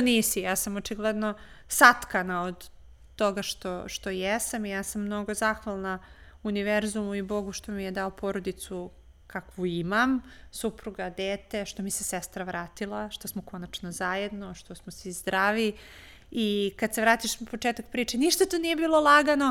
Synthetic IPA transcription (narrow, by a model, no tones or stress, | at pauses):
oniːsijaːsamot͡ʃiɡled̪no̞ | sat̪kanaod̪ː | o̞ɡaʃt̪oʃt̪o̞jesamijaːsamːno̞ɡo̞zaxʋalˠna | uniʋeɾzumuibo̞ɡuʃt̪o̞mijed̪aopo̞ɾod̪it̪su | kakʋuimamsupɾuɡad̪eːt̪e̞ʃt̪o̞misesest̪ɾaʋɾaːt̪ilˠaʃt̪osmoko̞nat͡ʃnozajed̪no̞ʃt̪o̞smosizd̪ɾaːʋi | ikad̪seʋɾaːt̪iʃnapot͡ʃeːt̪ak̚pɾiːt͡ʃeniʃt̪at̪onije̞biːlˠo̞lˠaɡano